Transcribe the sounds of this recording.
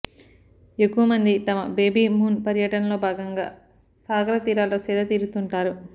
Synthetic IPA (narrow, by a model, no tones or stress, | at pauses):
e̞kːuwɐmɐnd̪it̪ɐmɐbeːbiːmuːnpɐɾjɐʈɐnɐlo̞ːbʱaːɡɐŋɡa̰ː | saːɡɐɾɐt̪iːɾaːloːsɛːd̪ɐt̪iːɾut̪uɳʈaːɾu